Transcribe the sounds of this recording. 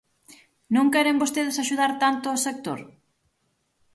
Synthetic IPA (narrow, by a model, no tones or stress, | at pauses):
nõŋkɛɾembost̪eð̞ɪsaʃuð̞aɾt̪ant̪ʊɔsek̚t̪o̰ɾ